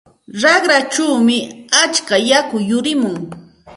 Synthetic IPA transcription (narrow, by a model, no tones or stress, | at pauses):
ɾɑχɾat͡ʃawmɪat͡ʃkajakʊjʊɾɪmʊŋ